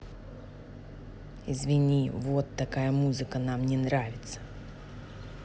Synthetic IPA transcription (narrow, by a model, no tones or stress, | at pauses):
ɪzvʲɪnʲivot̪ːɐkajəmuzɨkənamnʲɪnɾavʲɪt̪sə̥